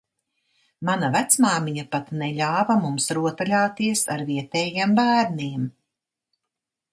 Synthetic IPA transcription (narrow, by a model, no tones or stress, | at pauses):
manavæt̪smaːmiɲapat̪nɛʎʲaːvamumsɾuɔt̪alʲaːt̪iɛsaɾviɛt̪ɛːjiɛmbæːɾniɛm